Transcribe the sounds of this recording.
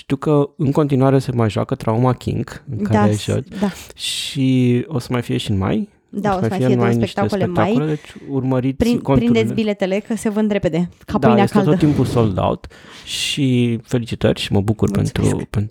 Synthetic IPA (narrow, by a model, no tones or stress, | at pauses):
ʃt̪iwkəɨŋko̞nt̪inuaɾesemajʒua̰kːət̪ɾaumakʲḭŋɡɨŋkaɾeʒa̰t͡ʃd̪aʃio̞sə̥majfije̞ʃiɨnma̰j | od̪asəosmajfieɨnmajneʃt̪aeslekt̪ajkuled̪e̞t͡ʃʲurməɾit̪ʲikopɾind̪et̪sbile̞t̪ele̞kəsevəɨnd̪ɾeped̪ekadp̪anaeskaelt̪oət̪ːimpuso̞ld̪a̰w̰t̪ʃife̞lit͡ʃit̪ərʲʃiməbukurpe̞̰nt̪ɾṵpen